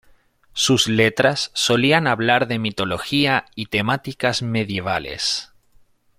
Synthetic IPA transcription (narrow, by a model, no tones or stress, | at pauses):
suslet̪ɾasːo̞lianaβlaɾðe̞mit̪o̞lo̞xiait̪e̞mat̪ikazme̞ðje̞β̞a̰lḛs